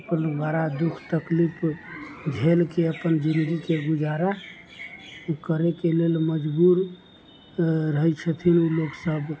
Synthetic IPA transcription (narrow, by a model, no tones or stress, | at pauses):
əpənbaɾad̪ukʰt̪əklipʰ | d͡ʒʱelkeəpənd͡ʒind̪ɡikeɡud͡ʒaɾa | kəɾekelelməd͡ʒbuɾ | ɾəɦɛt͡ʃʰət̪ʰinuloksəb